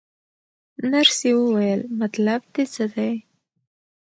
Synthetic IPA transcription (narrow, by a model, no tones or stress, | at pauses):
naɾsewəwajəlmat̪lab̚d̪et͡səd̪aj